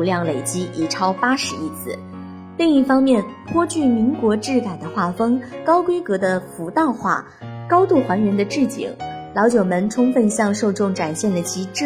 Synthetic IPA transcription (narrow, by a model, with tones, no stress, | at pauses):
ljɑ˥˩ŋle˨˩ɪt͡ɕi˥ʔi˨˩ʈ͡ʂʰɑ˥ʊpa˥ʂɻ̩˧˥i˥˩t͡sʰɹ̩˥˩ | li˥˧ŋi˥˩fɑ˥ŋmjɛ˥˩npʰwɔ˥t͡ɕy˥˩mi˧˥ŋkwɔ˧˥ʈ͡ʂɻ̩˥˩ka˨˩ɪd̪ə˦xwa˥˩fɤ˥ŋkɑ˥ʊkwe˥ɪkɤ˧˥d̪ə˧fu˧˥t̪ɑ˥˧ʊxwa̰˥˩ | kɑ˥ʊt̪u˥˩xwa˧˥nɥɛ˧˥nd̪ə˧ʈ͡ʂɻ̩˥˩t͡ɕḭ˨˩˦ŋlɑ˧˥ʊt͡ɕjo˨˩ʊmə˧˥nʈ͡ʂʰʊ˥ŋfə˥˧nɕjɑ˥˧ŋʂo˥˧ʊʈ͡ʂʊ˥˩ŋʈ͡ʂa˨˩nɕjɛ˥˩nlə˩t͡ɕʰi˧˥ʈ͡ʂ̩˥